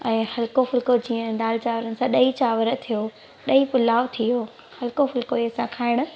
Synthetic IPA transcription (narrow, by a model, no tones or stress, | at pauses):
ɛ̃ːhɐlkofʊlkod͡ʑiːə̃naːlɪt͡ɕaːʋəɾənɪ̆sãɗɐit͡ɕaːʋəɾə̆t̪ʰijo | ɗɐipʊlaːʋt̪ʰijo | hɐlɪkofʊlkoiːsãkʰaːɪɽ̃ʊ̆